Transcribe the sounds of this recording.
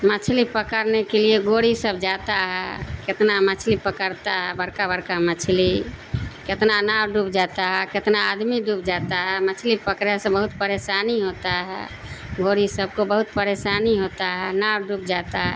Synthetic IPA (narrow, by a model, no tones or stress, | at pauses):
mət͡ʃʰlipəkəɾnekelieɡoɽisəbd͡ʒat̪aɦɛket̪namət͡ʃʰlipəkəɾt̪aɦɛbəɾkabəɾkamət͡ʃʰli | ket̪nanabɖupd͡ʒat̪aɦɛket̪naːd̪miɖupd͡ʒat̪aɦɛmət͡ʃʰlipəkɾjasə̃bəɦut̪pəɾesaniɦot̪aɦɛ̰ | ɡoɽisəb̚kobəɦut̪pəɾesaniɦot̪aɦɛnabɖupd͡ʒat̪aɦɛ